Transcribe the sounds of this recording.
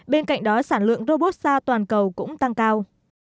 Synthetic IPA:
ɓe˧nka̰˧˨jŋ̟ɗɔ˨˦saː˧˩nlwɨ̰˧˨əŋzo˧ɓo˦˥t̚saː˧t̪waː˨˩nkə˨˩wkʊ̰˧˥ŋ͡mt̪a˧ŋkaː˧w

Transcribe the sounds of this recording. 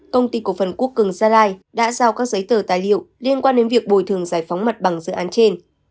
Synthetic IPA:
kə˧wŋ͡mt̪i˧ku˧˩əfə˨˩nku˦˥əkːɨ˨˩ŋzaː˧laː˧jɗa̰ː˧˥zaː˧˩wkaː˦˥k̚zə˨˦jt̪əː˧˩t̪aː˨˩jlḭ˧˨əwli˧ənkwaː˧nɗe˨˦nvi˨˩ək̚ɓo˨˩jt̪ʰɨ˨˩əŋzaː˧˩jfa˨˦wŋ͡mmə˨˩t̚ɓa˨˧˩ŋzɨ̰˧˨ʔaː˨˦nt͡ɕe˧n

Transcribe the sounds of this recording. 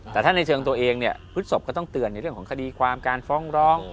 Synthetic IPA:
t̪ɛː˨˩t̪a˥˩na˧jt͡ɕʰɤː˧ŋt̪u˧əʔeː˧ŋni˥˩əpʰɯ˦˥t̪̚so˨˩p̚kɔː˥˩t̪ɔ˥˩ŋt̪ɯ˧ənːa˧jɾɯ˩kʰɔː˩˦ŋkʰa˧diː˧kʰwaː˧mkaː˧nfɔː˦˥˩ŋɾɔː˦˥˩ŋ

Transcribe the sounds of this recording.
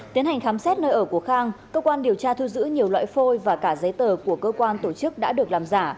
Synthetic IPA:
t̪i˨˦nha˨˩ŋ̟xaː˨˦msɛ˦˥t̚nəː˧jʔəː˧˩ku˧˩əxaː˧ŋkəː˧kwaː˧nɗi˨˩əwt͡ɕaː˧t̪ʰu˧zɨ̰˧˥ɲi˨˩əwlwa̰ː˧˨jfo˧jvaː˨˩kaː˧˩zə˨˦jt̪əː˨˩ku˧˩əkəː˧kwaː˧nt̪o˧˩t͡ɕɨ˦˥k̚ɗa̰ː˧˥ɗɨ˨˩ək̚laː˨˩mzaː˧˩

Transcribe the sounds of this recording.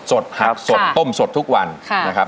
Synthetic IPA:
so˨˩t̪̚ha˨˩k̚so˨˩t̪ːo˥˩mso˨˩t̪ʰːu˦˥k̚wa˧nna˦˥kʰa˦˥p

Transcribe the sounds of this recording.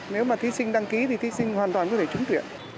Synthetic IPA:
ne˨˦wmaː˨˩t̪ʰi˨˦sï˧ŋ̟ɗa˧ŋki˨˦t̪ʰi˨˩t̪i˨˦sï˧ŋwaː˨˩nt̪waː˨˩nkɔ˨˦t̪ʰe˧˩t͡ɕʊ˨˦ŋ͡mt̪wḭ˧˨ən

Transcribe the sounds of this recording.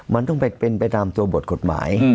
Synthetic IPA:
mɨ˧˦˥nt̪ɔ˥˩pa˧jpe˧npa˧jt̪aː˧mt̪u˧ɐbo˨˩t̪̚kʰo˨˩t̪̚ma̰ː˩˦j

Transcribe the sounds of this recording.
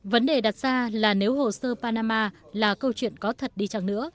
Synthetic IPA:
və˨˦nɗe˨˩ɗa˨˩t̚z̥aː˧laː˨˩ne˨˦wɦo̰˨˩səː˧paː˧naː˧maː˧laː˨˩kə˧wt͡ɕwḭ˧˨ənkɔ˨˦t̪ʰə˨˩t̚ɗi˧t͡ɕa˧˩ŋnɨ̰˧˥ə

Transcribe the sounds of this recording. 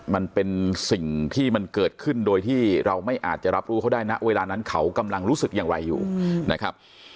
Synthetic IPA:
ma˧npe˧nsi˨˩ŋt̪ʰiː˥˩ma˧nkɤː˨˩t̪̚kʰɯ˥˩ndoː˧jt̪ʰiː˥˩ɾa˧wma˥˩jʔa̰ː˨˩t̪̚t͡ɕa˨˩ɾa˦˥p̚ɾuː˦˥kʰa˥˩daː˥˩jna˦˥ʔweː˧laː˧na˦˥nkʰa˦˥wka˧mla˧ŋɾuː˦˥sɯ˨˩k̚jaː˨˩ŋɾa˧jːṵː˨˩na˦˥kʰɾa˦˥p̚

